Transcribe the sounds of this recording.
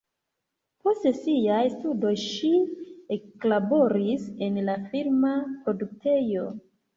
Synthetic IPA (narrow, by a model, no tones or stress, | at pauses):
po̞stsiajstudo̞jʃieklabo̞ɾise̞nlafiɾmapɾo̞duk̚tʰe̞jo̞